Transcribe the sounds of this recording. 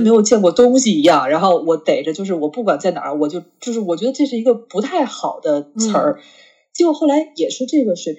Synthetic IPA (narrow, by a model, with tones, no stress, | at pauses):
me˧˥ɪjo˨˩ʊt͡ɕjɛ˥˧nŋkwɔ˥˩t̪ʊ˥ŋɕi˨˩i˧˥jɑ˥˩ŋɻa˧˥nxo˥˩ʊwɔ˧˥t̪e˨˩ɪʈ͡ʂə˦t͡ɕjo˥˧ʊʂɻ̩˥˩wɔ˨˩pu˥˩kwa˨˩nt͡sa˥˩ɪna̰˨˩˥wɔ˨˩t͡ɕjo˥˧ʊt͡ɕjo˥˧ʊʂ̬ɻ̩˥˩wɔ˨˩t͡ɕɥ̪ə˧ʈ͡ʂɤ˥˧ʂɻ̩˥˩i˧˥ɡə˧pu˧˥t̪ʰa˥˩ɪxɑ˨˩ʊd̪ə˦t͡sʰə˞˧˥ | t͡ɕi˧˥wɔ˨˩˥xo˥˩ʊla˧˥ɪjɛ˨˩ʂɻ̩˥˧ʈ͡ʂɤ˥˩ɡə˩ʂwe˨˩ɪpʰ